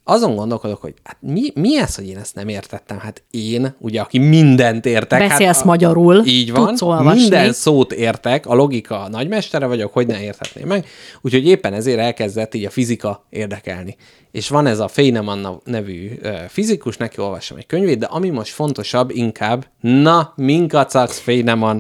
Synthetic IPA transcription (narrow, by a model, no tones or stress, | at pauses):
ɒzo̞ŋɡond̪o̞lko̞d̪o̞kho̞̰ɟ̥hat̪̚mimiɛsho̞ɟeːnɛst̪nɛmeːrt̪ɛt̪ːɛmhaːt̪eːnuɟɛɒkimind̪ɛnt̪eːrt̪ɛkbɛhaeːlssmɒɟɒɾuliːɟvɒnolmind̪ɛnsoːt̪eːrt̪ɛkɒlo̞ɡikʰɒnɒɟmɛʃt̪ɛɾɛvɒɟo̞kho̞ɟnɛeːrt̪ʰɛt̪nḛːmːɛɡuːcho̞ɟeːpːɛnɛzeːɾɛlkɛzd̪ɛt̪ːiːɟɒfizikɒeːrd̪ɛkɛ̰lni | eːʃʋɒnɛzɒfejnɛmɒnːɛvy̰ːøːfizikuʃnɛkio̞lvɒʃomʔɛ̰ckøɲveːtd̪d̪ɛʔɒmimo̞ʃt̪fo̞n̪t̪o̞ʃɒbːiŋkʰaːbː | nɒmiŋkɒt̪sɒksfejnɛmɒn